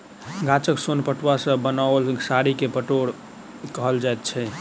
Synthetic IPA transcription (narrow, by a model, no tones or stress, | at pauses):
ɡat͡ʃəksonpəʈwasə̃bənalsaɾikepəʈoɽ | kəɦəld͡ʒajt̪̚t͡ʃʰɛ